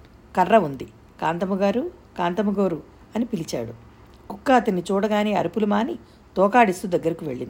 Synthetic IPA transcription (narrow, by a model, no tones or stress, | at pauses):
kɐrːɐund̪i | kaːnt̪ɐmuɡaːɾukaːnt̪ɐmuɡoːɾu | ɐnipilit͡ʃa̰ːɽu | kukːɐɐt̪ɐnːit͡ʃuːɽɐɡaːniːɐ̰ɾipulumaːni | t̪ɔːkaːɽist̪ud̪ɐɡːɐɾikiʋe̞̰ɭːind̪i